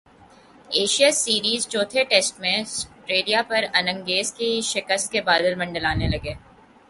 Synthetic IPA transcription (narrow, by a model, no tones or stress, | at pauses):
eːʃijasiːɾiːzt͡ʃoːt̪ʰeʈeːsʈmẽsʈɾeːɾijapɐɾɐnə̃ŋɡeːzkiʃɪkəst̪̚kebaːd̪əlmɐ̃ɳɖəlaːnelɐɡeː